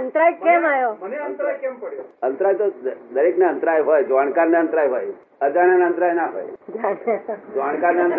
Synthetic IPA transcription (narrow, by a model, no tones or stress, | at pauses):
ənt̪ɾajkemajomneənt̪ɾajkempəɽjoənt̪ɾajt̪od̪əɾekneənt̪ɾajɦojd͡ʒʋaɳ̃kaɾneənt̪ɾajɦoːj | əd͡ʒaɽ̃enaənt̪ɾajnaɦo̰ːjd͡ʒaned͡ʒʋaɳkaɾneənt̪